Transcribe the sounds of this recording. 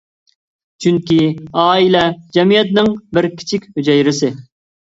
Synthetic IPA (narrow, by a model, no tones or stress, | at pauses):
t͡ʃʰyŋkʲiɑːilɛd͡ʒɛmijɛt̪nɪŋbɪɾkʲʰi̥t͡ʃʰikʲhød͡ʒɛjɾɪsɪ